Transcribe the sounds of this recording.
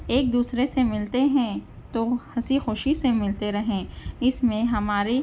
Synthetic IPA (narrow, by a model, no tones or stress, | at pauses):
eːk̚d̪uːsɾesemɪlt̪eɦɛ̃ | t̪ohɐsixoːʃisemɪlt̪eɾɐɦẽːɪsmẽɦɐmaːɾi